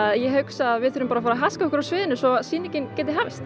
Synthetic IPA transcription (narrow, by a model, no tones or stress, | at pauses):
aðjɛɦœksaːðvɪðθʏɾʏmpaɾafaːɾaɦaskaɔkʏɾawsvɪːðɪnʏsɔsiːnɪcɪncɛːt̪ɪɦaːvɪst̪